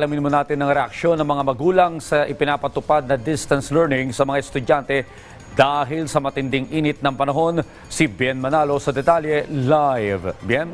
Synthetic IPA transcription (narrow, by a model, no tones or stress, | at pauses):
ɐlɐmɪnmonaːt̪ɪnːɐŋɾɛʔɐk̚ʃo̞nːɐŋmɐŋamɐɡuːlɐŋsɐʔɪpɪnaːpɐt̪ʊpad̪̚nɐd̪ɪst̪ɐnslɛɹnɪŋsɐmɐŋaɛst̪ʊdant̪ɛ | d̪aːɦɪlsɐmɐt̪ɪnd̪ɪŋʔiːnɪt̪̚nɐŋpɐnɐɦo̞n | sibjɛnmɐnalo̞sɐd̪ɛt̪aljɛlajvbjɛn